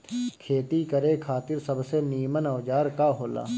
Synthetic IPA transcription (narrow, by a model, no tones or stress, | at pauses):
kʰeːt̪ikəɾekʰaːt̪ɪɾsəbseniːmənəʋd͡ʒaːɾkaɦoːla̰ː